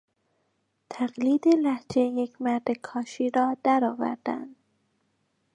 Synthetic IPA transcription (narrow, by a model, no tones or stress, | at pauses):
t̪ʰæɢliːd̪elæhd͡ʒejecʰmæɾd̪ekʰɒːʃiːɾɒːd̪̥æɾɒːvæ̰ɾd̪̥æ̰nd̪̥